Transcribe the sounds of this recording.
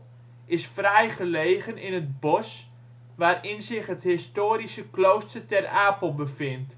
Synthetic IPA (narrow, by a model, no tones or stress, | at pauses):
ʔɪsfrɛjχəlejχənɪnət̚bɔs | ʋaːrɪnzɪχɦəthɪstoːɾisəklowstərtɛraːpəlˠbəfɪnt